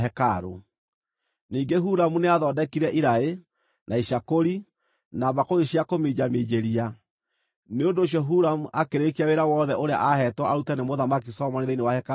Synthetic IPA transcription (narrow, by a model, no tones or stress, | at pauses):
ɛkaɾo̰ | niːŋɡeɦuɾamuneaðɔːdɛkiɾɛʔiɾae | nʔaiʃakoɾi | naβakoɣeʃiakomed͡ʑamed͡ʑeɾia | neondoːɕ̬jɔɦuɾamuʔakeɾekiaweɾawɔːðɛʔoɾea̰ʔahɛtwɔaɾutanemoðamakisɔmɔneðeinewahɛka